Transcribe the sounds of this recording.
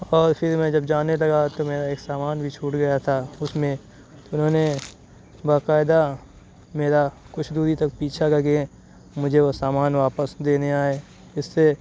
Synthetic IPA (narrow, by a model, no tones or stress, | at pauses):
ɔːɾpʰɪɾmɛ̃ːd͡ʒɐbd͡ʒaːnelɐɡat̪omeːɾaeːksaːmaːnbʱit͡ʃʰuːʈɡɐjat̪ʰaʊsmẽ | t̪oʊnɦõːne | baːkaːɪd̪a | meːɾa | kʊt͡ʃʰd̪uːd̪it̪ɐk̚piːt͡ʃʰaɡɐɡẽ | mʊd͡ʒʱeosaːmaːnʋaːpəsd̪eːneaːe | ɪsːe